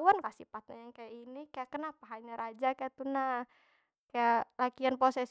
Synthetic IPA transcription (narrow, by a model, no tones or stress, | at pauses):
wankasipat̪̚najaŋkajainikajakənapaɦaɲaɾad͡ʒakajat̪una | kajalakianposes